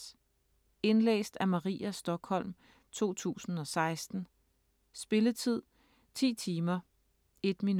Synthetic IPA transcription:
e̝nlḛːsd̥æmɑ̈ʁḭːæsd̥ɒ̽ɡ̥hɒ̽l̰m | t͡sʰo̝̰ːt͡sʰṵːsn̩ɒ̽sɑ̈ɪsd̥n̩ | sb̥e̝lət͡sʰið̞̰ˠ | t͡sʰḭːt͡sʰiːmɐ | e̝d̥min

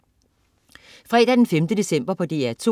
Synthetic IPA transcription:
fʁɛ̰ːdɾæd̥enfemd̥əd̥e̝sem̰b̥ɐpʰɒ̽d̥e̝̰ːæɐt͡sʰo̝

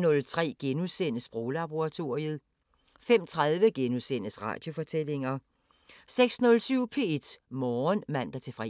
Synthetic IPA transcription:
nɔ̽lt͡sʰʁɛ̰ːɡ̥enusen̰əsb̥ʁo̝ːlɑb̥o̝ʁɑt͡sʰo̝ɐʁiəð̩ˠ | fem̰t͡sʰʁað̞ˠʋəɡ̥enusen̰əsʁɑ̰̈ːd̥jo̝fɒ̽t͡sʰel̰e̝ŋɐ | seɡ̥snɔ̽lsyʊpʰe̝ed̥mɒːnmæn̰d̥ɐt͡sʰe̝fʁɛ̰

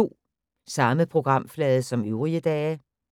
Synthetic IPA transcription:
o̝̰ː | sɑ̈məpʰʁo̝ɡ̥ʁɑ̈m̰flɛːð̞ˠsɒ̽møʊʁiəd̥ɛː

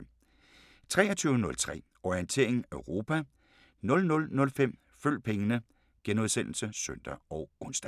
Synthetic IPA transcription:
t͡sʰʁɛ̰ːɐt͡sʰyːʊnɔ̽lt͡sʰʁɛ̰ː | ɒient͡sʰe̝̰ɐ̰eŋøʊʁo̝ːpʰæ | nɔ̽lnɔ̽lnɔ̽lfem̰ | føl̰pʰeŋənə | ɡ̥enoðˠsen̰l̩səsœn̰d̥ɐɒ̽ʊɡ̥ɔ̽nsd̥æ

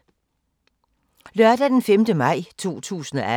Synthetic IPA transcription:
lɶɐd̥æd̥enfemd̥əmɑ̈ɪ̰t͡sʰo̝̰ːt͡sʰṵːsn̩ɒæ

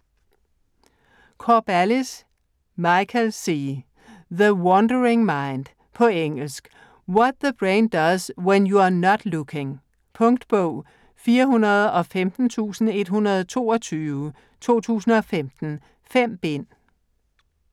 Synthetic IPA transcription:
kʰɒb̥ælis | mɑɪkʰəlsiː | ðəwɒndəɹɪŋmɑ̈ɪ̃nd̥ | pʰɒ̽eŋ̰l̩sɡ̥ | wɒd̚ðəb̥ʁẽɪnd̥ʌzwenjuɑnɒd̥lukʰɪ̃ŋ | pʰɔ̽ŋd̥b̥ɔʊ̰ | fiːɐɦunɐð̩ˠɒ̽femd̥n̩t͡sʰṵːsn̩e̝d̥ɦunɐð̞ˠt͡sʰo̝̰ːɒt͡sʰyːʊə | t͡sʰo̝̰ːt͡sʰṵːsn̩ɒ̽femd̥n̩ | fem̰b̥en̰

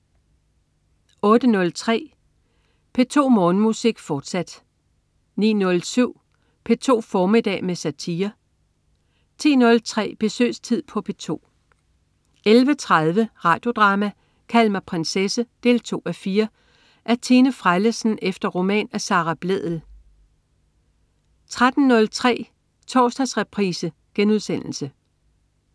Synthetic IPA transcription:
ɔ̽ːd̥ənɔ̽lt͡sʰʁɛ̰ː | pʰe̝t͡sʰo̝̰ːmɔ̽ːnəmusiɡ̥fɒːd̥sæd̥ | nḭːnɔ̽lsyʊ̰ | pʰe̝t͡sʰo̝̰ːfɒːmed̥ɛ̰ːmesæt͡sʰiːɐ | t͡sʰḭːnɔ̽lt͡sʰʁɛ̰ːb̥e̝sø̰ːst͡sʰið̰ˠpʰɒ̽pʰe̝t͡sʰo̝̰ː | elʋət͡sʰʁaðˠʋəʁɑ̈ːd̥jo̝d̥ʁɑ̈ːmæ | kʰælmæpʰʁensesəd̥e̝̰ːlt͡sʰo̝̰ːæfiːɐ | ʔæɐt͡sʰiːnəfʁaɪləsn̩efd̥ɐʁo̝mɛ̰ːnæsɑ̈ːʁɑb̥leð̰ˠl̩ | t͡sʰʁad̥n̩ːɔ̽lt͡sʰʁɛ̰ː | t͡sʰɒːsd̥ɑsʁɛpʰʁiːsə | ɡ̥enuð̞ˠsen̰l̩sə

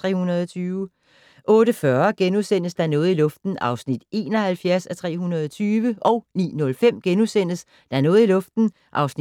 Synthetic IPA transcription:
ʁɛ̰ːhunɐðˠɒt͡sʰyːʊ | ʔɔ̽ːɾ̥əfɶɐɡ̥enusen̰əsd̥ɑnɔ̽ːð̞̩ˠilɔ̽fd̥n̩ɑ̈ʊsnid̥e̝ːnɒ̽hælfjæɐsæt͡sʰʁɛ̰ːɦunɐð̞ˠɒt͡sʰyːʋəʔɒ̽ʊnḭːnɔ̽lfem̰ɡ̥enusen̰əs | d̥ɑɐnɔ̽ːð̞̩ˠilɔ̽fd̥n̩ | ʔɑ̈ʊsni

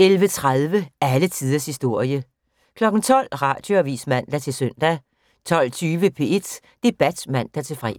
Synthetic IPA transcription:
elʋət͡sʰʁað̞ˠʋəælət͡sʰið̞ˠɐshisd̥o̝ɐ̰jə | kʰlɒ̽ɡ̥n̩t͡sʰɒ̽l̰ʁɑ̈d̥jo̝æʋḭːsmæn̰d̥æt͡sʰe̝lsøn̰d̥æ | t͡sʰɒ̽l̰t͡sʰyːʋəpʰe̝ːe̝d̥ | d̥e̝b̥æd̥mæn̰d̥æt͡sʰe̝lfʁɛ̰

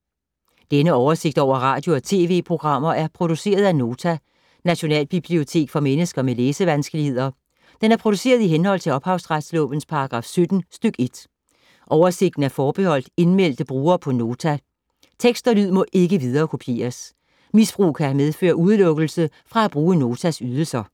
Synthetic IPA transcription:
d̥enəɒʊɐse̝ɡ̥̚d̥ɒ̰ʊ̰ɐʁɑ̈ːd̥jo̝ɒt͡sʰe̝̰ːʋe̝̰ːpʰʁo̝ɡ̥ʁɑ̈m̰ɐʔæɐpʰʁo̝d̥use̝̰ːɐð̞ˠæno̝ːt͡sʰæ | næɕo̝nɛ̰ːlb̥ib̥lio̝t͡sʰe̝̰ːɡ̥fɒ̽menəsɡ̥ɐmeleːsəʋænsɡ̥əlihe̝ð̞̰ˠɐ | d̥enæɐpʰʁo̝ɾ̥u̥se̝̰ːɐð̞ˠiɦenhɒ̽l̰t͡sʰe̝ɒ̽b̥hɑ̈ʊsʁad̥slɔ̰̽ːb̥ən̩spʰɑ̈ɑɡ̥ʁɑ̈fsød̥n̩sd̥øɡ̥e̝d̥ | ʔɒʊɐse̝ɡ̥d̥n̩æɐfɒːb̥ehɒ̽l̰d̥e̝nmel̰d̥əb̥ʁuːɐpʰɒ̽no̝ːt͡sʰæ | t͡sʰeɡ̥sd̥ɐlyð̞̰ˠmɒ̽ʔe̝ɡ̥əʋiðˠɐːkʰo̝pʰje̝̰ːɐs | misb̥ʁṵːkʰæmeð̞ˠfø̰ːɐʔuð̞ˠlɔ̽ɡ̥l̩sə | fʁɑ̈æb̥ʁuːəno̝ːt͡sʰæsyð̞ˠl̩sɐ

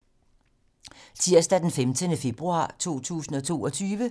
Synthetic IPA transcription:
sʰiɐ̰sd̥æd̥enfemd̥ənəfe̝b̥ʁuɑ̰̈ːt͡sʰo̝̰ːt͡sʰṵːsn̩ɒ̽t͡sʰo̝̰ːɒ̽t͡sʰyːʋə

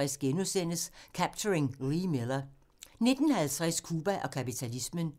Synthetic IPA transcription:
ɛsɡ̥enusen̰əskʰæb̥t͡sʰəʁeŋʁimelɐ | ne̝d̥n̩hælt͡sʰʁɛskʰuːb̥æʔɒ̽kʰæpit͡sʰælismən

